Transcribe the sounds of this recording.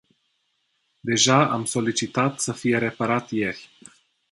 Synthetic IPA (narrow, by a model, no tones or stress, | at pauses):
d̪e̞ʒaa̰mso̞lit͡ʃit̪at̪səfije̞ɾe̞paɾat̪je̞rʲ